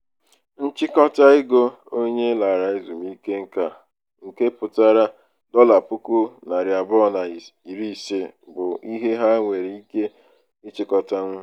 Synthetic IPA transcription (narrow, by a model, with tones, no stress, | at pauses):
n̩˦t͡ʃɪ˦kɔ˦ta˦ɪ˦ɡo˦ | o˦ɲe˦la˨ɾa˨ɪ˦zu˨mi˦ke˦ŋ̩˦ka˦ | ŋ̩˨ke˦pʊ˨ta˦ɾa˦ | dɔ˦la˨pʊ˦ku˦na˨ɾja˨bɔ˦na˨i˨ɾi˦˨se˦bʊ˨i˦ɦe˦ɦa˦ŋʷe˨ɾi˨i˦ke˦ | ɪ˦t͡ʃɪ˦kɔ˦ta˦n̩˦